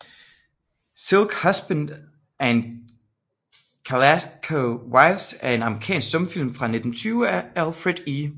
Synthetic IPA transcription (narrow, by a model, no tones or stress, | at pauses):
silɡ̥hasb̥ænd̥ | æn | kʰælækʰowaɪsæɐe̝nɑ̈mʁikʰɛ̰ːnsɡ̥sɔ̽mfil̰mfʁɑ̈ne̝d̥n̩t͡sʰyːʊæælfʁed̥i